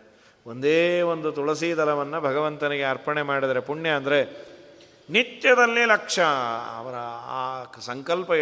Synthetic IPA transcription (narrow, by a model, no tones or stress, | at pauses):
o̞nd̪eːʋo̞nd̪ut̪uɭɐsid̪ɐlɐʋɐnːɐbʱɐɡɐʋɐnt̪ɐniɡe̞ɐɾpɐɳemaːɽid̪ɐɾepuɳːjeɐnd̪ɐɾe̞ | nit̪jɐd̪ɐlːilɐkʂɐ̰ːʋɐɾɐ | sɐŋkɐlpɐ